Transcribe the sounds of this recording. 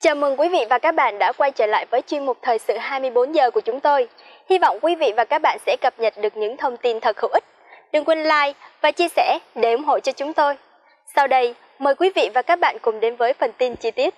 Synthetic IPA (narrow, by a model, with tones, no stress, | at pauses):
t͡ɕəː˨˩mɨ˨˩ŋkwi˨˦vḭ˧˨vaː˨˩kaː˦˥k̚ɓa̰ː˧˨nɗa̰ː˧˥kwa˧jt͡ɕəː˧˩la̰ː˧˨jvəː˨˦jt͡ɕwi˧əŋmʊ˨˩t̚t̪ʰəː˨˩jsɨ̰˧˨ɦaː˧jmɨ˧əjɓo˨˦nzəː˨˩ku˧˩ət͡ɕʊ˨˦ŋ͡mt̪o˧j | hi˧vɔ̰˧˨wŋ͡mkwi˨˦vḭ˧˨vaː˨˩kaː˦˥k̚ɓa̰ː˧˨nsɛ̰˧˥kə˨˩p̚ɲə˨˩t̚ɗɨ˨˩ək̚ɲɨ̰˧˥ŋt̪ʰə˧wŋ͡mt̪i˧nt̪ʰə˨˩t̚hɨ̰˧˥˦ʔi˦˥k̚ | ɗɨ˧ŋkwi˧nlaː˧jvaː˨˩t͡ɕi˧əsɛ̰˧˩ɗe˧˩ʔʊ˨˦ŋ͡mɦo̰˧˨t͡ɕɔ˧t͡ɕʊ˨˦ŋ͡mt̪o˧j | sa˧wɗə˧j | məː˨˩jkwi˨˦vḭ˧˨vaː˨˩kaː˦˥k̚ɓa̰ː˧˨nkʊ˨˩ŋ͡mɗe˨˦nvəː˨˦jfə˨˩nt̪i˧nt͡ɕi˧t̪i˦˥ət̚